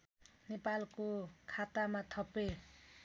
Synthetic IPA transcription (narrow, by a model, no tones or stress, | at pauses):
nepalkokʰat̪amat̪ʰʌpe